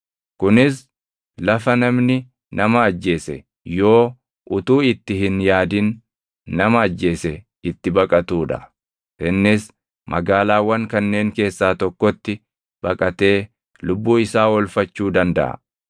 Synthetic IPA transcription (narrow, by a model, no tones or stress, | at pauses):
kʊnɪs | lɐfɐnɐmnɪ | nɐmɐːd͡ʒːe̞ːsɛ | jo̞ː | ʔʊt̪uːɪt̪ːɪhɪnjaːd̪ɪnː | ɐmɐːd͡ʒːe̞ːsɛ | ɪt̪ːɪbɐkʼɐt̪uːᶑɐ̰ | ʔɪnːɪs | mʔɐ̰ɡaːlaːwɐŋkɐnːe̞ːŋke̞ːsːaːt̪ɔkːɔt̪ːɪ | b̥ɐkʼɐt̪e̞ː | lʊbːuːɪsaːwɔlfɐt͡ʃːuːd̪ɐnd̪ɐ̰ʔɐ̰